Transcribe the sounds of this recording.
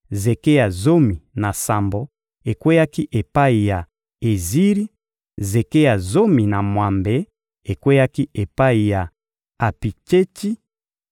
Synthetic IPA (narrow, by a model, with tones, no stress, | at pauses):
ze˨ke˦ja˨zo˦mi˨na˨sa˨mbo˨ | e˨kwe˦ja˦ki˦ʔe˨pa˦i˨ja˨ | e˨zi˦ɾi˦ | ze˨ke˦ja˨zo˦mi˨na˨mwa˨mbe˨ | e˨kwe˦ja˦ki˦e˨pa˦i˨ja˨ | a˨pi˨t͡ʃe˦ti˦